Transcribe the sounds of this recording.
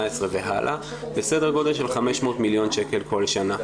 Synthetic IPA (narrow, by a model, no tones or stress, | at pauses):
esʁeveɦa̰lʔa̰ | besedeʁɡo̞delʃelχameʃmo̞ːtmiljo̞nʃeke̞lkʰo̞lʃana